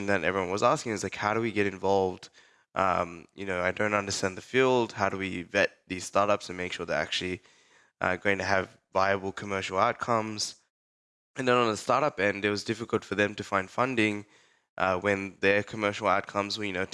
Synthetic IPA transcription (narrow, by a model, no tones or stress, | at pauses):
n̩ðɨ̃ɾɛ̰vɹiwʌ̃nwʌzæskɪ̃ŋɨzlaɪkhaʊɾəwiɡɛɾɨ̃ɱvɑlˠvd̥ | ʔʌ̰̃mjɨnoʊaɪdõʊ̃ntʌ̃ndə˞stæ̃nðɨfilˠd̥̚haʊɾəwivɛt̪̚ðiz̥stɑɹɾʌpsɨ̃n̩meɪkʃʊɹðə̰˞æ̰k̚t͡ʃʉl̩ˠi | ʔʌ̰ɡoʊɪ̃ŋtʰɨːvːaɪɨbl̩ˠkʰəmɜ˞ʃl̩ˠaʊt̚kʰʌ̃mz̥ | ɨ̃nðə̃nə̃nðəstɑɹɾʌpɨ̃nɨɪt̚wʌzdɪfɨkl̩ˠtfə˞ðɨ̃mtɨfãɪ̃nd̥fʌ̃ndɪ̃ŋ | ʔʌwɨ̃nðə˞kʰəmɜ˞ʃl̩ˠaʊt̚kʰʌ̃mzwjɨnoʊ